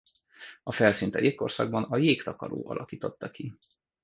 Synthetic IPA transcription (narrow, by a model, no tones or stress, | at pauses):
ɒfɛlsint̪ɛjekːo̞rsɒɡ̚bɒnɒjeːkt̪ɒkɒɾo̰ːʔɒ̰lʔɒkiːt̪o̞t̪ːɒki